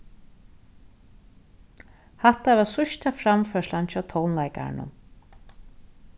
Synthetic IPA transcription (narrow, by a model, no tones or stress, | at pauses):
haht̪aɛvasʊʃt̪afɾamfœʂlant͡ʃʰat̪ʰownlajka̰ɾ̰nʊ̰m